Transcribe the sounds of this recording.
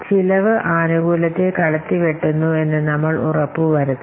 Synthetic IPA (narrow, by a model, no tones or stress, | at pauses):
t͡ɕilɐʋɨʔaːnuɡuːlɐt̪ːekɐɽɐt̪ːiʋeʈːunːue̞nːɨnɐmːɐɭurɐpːuʋɐɾut̪ː